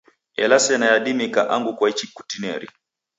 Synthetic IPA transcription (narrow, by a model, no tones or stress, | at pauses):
ɛ̰lasɛnajaɗimikaʔaŋɡukwait͡ʃikutinɛ̰ɾḭ